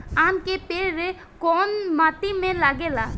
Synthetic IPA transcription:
aːmkepeːɾe | kɔːnmaːt̪imẽlaɡelaː

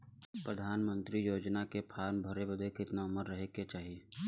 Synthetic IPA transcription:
pɾəd̪ʱaːnmə̃nt̪ɾijoːd͡ʒnakepʰaːɾnbʱəɾebəd̪ʱekɪt̪naʊməɾːəɦeket͡ʃaːɦie

